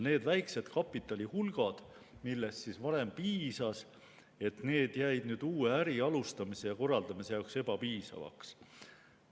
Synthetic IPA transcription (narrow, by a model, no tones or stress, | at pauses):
ne̞ːd̪̥væjkse̞t̪kʰɑpːˑit̪ːˑɑlʲihulɡ̥ɑd̪̥ | milːest̪sisvɑɾe̞mpiːsɑs | e̞t̪ne̞ːd̪̥jæjd̪nyːd̪̥uːeæɾiɑlust̪ɑmise̞jɑko̞rːɑld̪̥ɑmise̞jɑokse̞b̥ɑpiːsɑ̰vɑ̰ks